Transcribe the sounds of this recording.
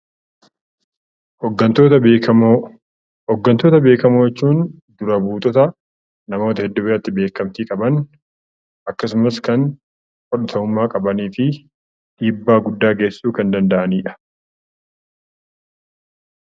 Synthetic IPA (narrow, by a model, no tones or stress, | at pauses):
ɡɐt̪oːt̪ɐ | ɔɡːɐnt̪oːt̪ɐbe̞ːkɐmoːjɛt͡ʃːuːn | d̪ʊɾɐbuːt̪ʼɔt̪ɐ | nɐmo̞ːt̪ɐhɛd̪ːʊbɪɐt̪ːɪbe̞ːkɐmt̪iːkʼɐbɐn | ʔɐkːɐsʊmɐskɐn | kɔᶑɐt̪ʰɐʊmːaːkʼɐbɐniːfɪ | ᶑiːbːaːɡʊd̪ːaːɡe̞ːsːuːkɐnd̪ɐnd̪ɐʔɐniːᶑɐ̥